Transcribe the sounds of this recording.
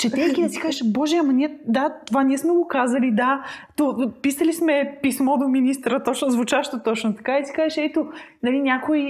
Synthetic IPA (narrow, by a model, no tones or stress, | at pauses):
t͡ʃɛt̪ɛkʲid̪ɐt̪i̥kaʒɛʃbɔʒɛamɐnʲiɛd̪at̪ovanʲiɛsmɛɡokazɐlid̪at̪opisɐlismɛpismɔd̪ominist̪ɾət̪ɔt͡ʃnozvʊt͡ʃaʃt̪ot̪ɔt͡ʃnot̪ɐ̥kaisi̥kaʒɛʃɛt̪onɐlinʲakoj